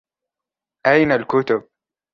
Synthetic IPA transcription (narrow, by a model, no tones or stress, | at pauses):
ʔajnalkʊt̪ʊb̚